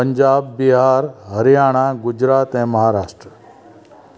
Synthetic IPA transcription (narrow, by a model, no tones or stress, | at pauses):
əɲd͡ʒaːbːiɦaːɾɦəɾjaːɽ̃aɡud͡ʑɾaːt̪ɦɛ̃məɦaɾaːʂʈɾə